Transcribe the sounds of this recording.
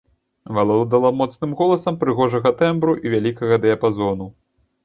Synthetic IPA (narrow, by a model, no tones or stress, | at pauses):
valˠɔlˠd̪alˠamɔt̪snɨmɣɔlˠɐsɐmpɾɨɣɔʐɐɣɐt̪ɛmbɾuʔivʲalʲikɐɣɐd̪ɛɐpazɔnu